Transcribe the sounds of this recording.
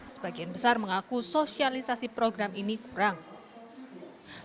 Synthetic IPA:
sə̥b̥aɡ̥ianbəsarməŋakusosialisasipɾoɡɾaminikuɾaŋ

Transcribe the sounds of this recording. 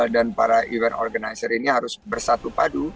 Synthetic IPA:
danpaɾaʔivɛnɔ̰rɡanajsəriniɦaɾʊsbərsat̪upadu

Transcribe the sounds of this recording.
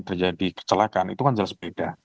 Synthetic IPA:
t̪ərd͡ʒadikə̥t͡ʃəlakanḭt̪ukand͡ʒalasbed̥a

